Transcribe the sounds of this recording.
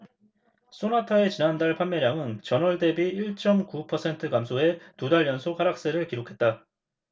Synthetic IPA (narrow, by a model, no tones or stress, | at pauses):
s͈ʰonatʰae̞t͡ɕinandaɭpʰanmjeɾjaŋɯnt͡ɕʌnʌɭde̞biiɭt͡ɕ͈ʌmkupʰʌsʰe̞ntʰɯkamsʰoe̞tudaɭːjʌnsʰokaɾak̚s͈eɾɯɭkiɾokʰe̞t̚t͈a